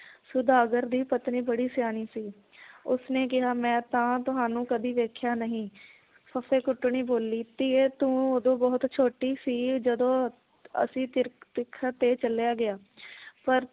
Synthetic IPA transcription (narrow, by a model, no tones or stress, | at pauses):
sʊd̪aːɡəɾd̪iːpət̪niːbəɽiːsjaːniːsiː | ʊsneːk̬ɪɦaːmɛ̃ːt̪ãːt̪ʊɦaːnũːkəd̪iːʋeːkʰjaːnəɦĩː | pʰəfʰeːkʊʈːʊɳiːboːliːt̪iːeːt̪ũːoːd̪õːbɔːʊt̪t͡ʃʰoːʈiːsiːd͡ʒəd̪õː | ə̰sĩːt̪ɪt̪ɪkʰːat̪eːt͡ʃəljaːɡɪaː | pəɾ